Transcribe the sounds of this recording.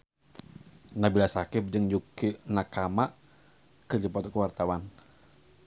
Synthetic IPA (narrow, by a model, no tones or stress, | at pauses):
nabilasakɪp̚d͡ʒɨŋjukinakamaʔ | kɨrd͡ʒipɔt̪ɔkuwart̪awan